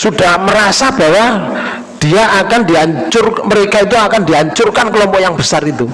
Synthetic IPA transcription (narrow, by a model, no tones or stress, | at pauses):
sud̥ahməɾasab̥a̤wa | d̥iaʔakandiaɲt͡ʃʊrməɾekait̪uakandiaɲt͡ʃʊrkankəlɔmpɔjaŋb̥əsarit̪u